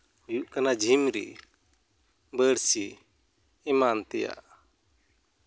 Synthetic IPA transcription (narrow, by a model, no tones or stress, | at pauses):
juʔ̚kanad͡ʒʱimɾɛ̰ | bəɽsi | ɛmant̪ɛja̰ʔ